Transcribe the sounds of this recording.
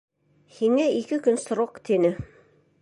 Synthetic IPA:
hiŋæikɘkɵnsɾoqt̪inɘ

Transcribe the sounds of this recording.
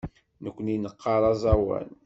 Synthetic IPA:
nəkʷːəninəqːɑɾˤɑzˤɑwæ̰n

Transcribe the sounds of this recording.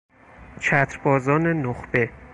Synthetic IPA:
t͡ʃʰæt̪ʰɾbɒːzɒːnenoχb̥e̞

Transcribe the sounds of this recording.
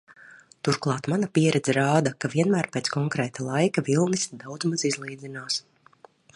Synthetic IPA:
t̪uɾklˠɑːt̪manapʲiɛɾɛd̪zɛɾaːd̪ɐkaviɛnmæːɾpeːt̪skɔŋkɾɛːt̪alˠajkavilˠnisd̪awd̪zmazizlˠiːd̪zinaːs

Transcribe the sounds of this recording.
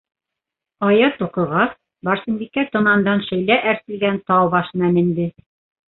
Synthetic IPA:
ɑjɑt̪uqɤ̆ʁɑs | bɑɾsɤ̆mbikːæt̪ŏmɑnd̪ɑnʃɘ̆jlæʔæɾsɘ̆lɡænt̪ɑwbɑʃɤ̆næmɘ̆nd̪ɘ

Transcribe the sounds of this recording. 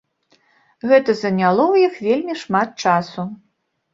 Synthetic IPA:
ɣɛt̪ɐzɐnʲalˠɔwjixvʲelʲmʲiʂmat̪̚t͡ʂasu

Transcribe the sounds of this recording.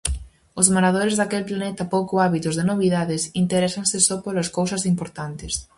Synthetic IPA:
ʊzmoɾaðoɾezðakelplanɛt̪ɐpowkoaβit̪ʊzðenoβiðaðɪsint̪eɾɛsansɪsɔpolaskowsɐsimpoɾt̪ant̪ɪs

